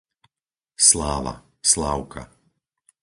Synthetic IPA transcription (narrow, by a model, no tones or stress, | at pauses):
slaːʋa̰ | slaːʊkʰa̰